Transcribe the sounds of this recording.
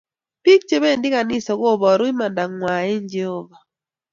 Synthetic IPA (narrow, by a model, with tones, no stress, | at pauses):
pi˦k̚t͡ʃe˦be˦˨ndɪ˦ka˨nɪ˦sɔ˨ɡo˦˨bɔ˨ɾwɪ˦ma˨nda˨ŋːwa˨e˦ɲd͡ʒɛ˦˨hɔ˦va˨